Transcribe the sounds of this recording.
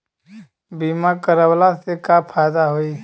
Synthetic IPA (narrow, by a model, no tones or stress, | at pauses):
biːmakəɾəwlasekapʰaːjd̪aɦoiː